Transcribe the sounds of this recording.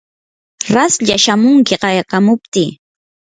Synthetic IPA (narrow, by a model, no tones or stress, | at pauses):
ɾasʎaʃamʊŋkɪqɑjqamʊp̚t̪iː